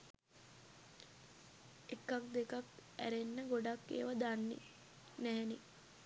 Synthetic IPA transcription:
ekːak̚d̪ekakæ̰ɾenːəɡoɖakːḛːʋad̪anːḭ | næɦɛni

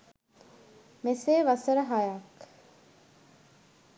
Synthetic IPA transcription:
meseːʋɐsəɾəɦajak

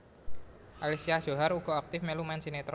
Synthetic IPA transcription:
ʔalisiaʒ̥o̤ɦaɾuɡ̥ɔ̤ak̚t̪ɪfmelumansinet̪

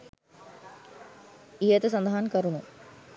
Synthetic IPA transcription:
ijət̪əs̬ɐnd̪əɦankɐɾunu

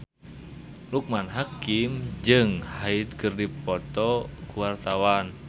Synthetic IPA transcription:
luk̚manɦakimd͡ʒɨŋhait̪̚kɨrdipɔt̪ɔkuwart̪awan

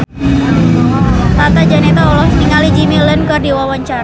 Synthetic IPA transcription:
t̪at̪ad͡ʒanet̪aɔlɔsniŋalid͡ʒimilənkərdiwawaɲt͡ʃaɾa

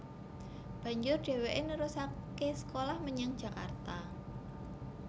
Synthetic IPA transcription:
b̥ä̤ɲd͡ʒʊrɖ̥e̤weʔenəɾusakesə̥kolahməɲəŋd̥ʒ̥ä̤ka̰rt̪a

